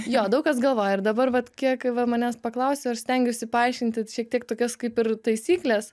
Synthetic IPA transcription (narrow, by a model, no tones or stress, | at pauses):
joːd̪ɐʊkɐsɡɐlˠʋoːjɛɪɾd̪ɐbɐrʋɐt̪kʲiɛkʋɐmɐnʲæːspɐklˠɐʊsʲoːɐʃsʲt̪ʲɛŋʲɡʲʊsʲɪpɐɐɪʃʲkʲɪnʲt̪ʲɪʃʲiɛk̚t̪ʲiɛkt̪oːkʲɛskɐɪpɪrt̪ɐɪsʲiːklʲɛs